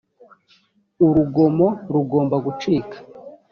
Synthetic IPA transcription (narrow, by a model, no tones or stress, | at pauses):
uɾuɡo̞mo̞ɾuɡo̞ːmbaɡut͡ʃiːkʰḁ